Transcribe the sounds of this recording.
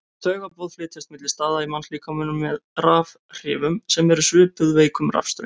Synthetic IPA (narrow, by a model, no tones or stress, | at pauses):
t̪ʰœːɣapɔðflɪːt̪ʰɪst̪mɪt̪lɪ̥st̪aːðaimansliːkamʏnːʏmːɛðɾaːv | r̥ɪ̰ːvʏmsɛmɛɾʏsʏːpʏðveːjkʏmɾa̰fst̪ɾʏ̰